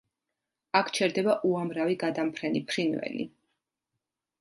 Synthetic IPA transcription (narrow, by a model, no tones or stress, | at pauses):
akʰt͡ʃʰɛɾd̪ɛbaʔuamɾaviɡad̪ampʰɾɛnipʰɾinvɛ̰lḭ